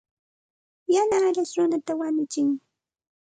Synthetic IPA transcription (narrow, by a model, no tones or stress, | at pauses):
janaːɾasɾʊnat̪awaɲʊt͡ʃɪŋ